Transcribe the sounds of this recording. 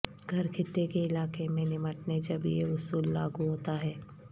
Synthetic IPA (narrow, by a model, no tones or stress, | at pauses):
ɡʱɐɾkʰɪt̪ːekeɪlaːkemẽnɪməʈned͡ʒɐbjḛʊsuːlːa̰ːɡuɦoːt̪aɦɛː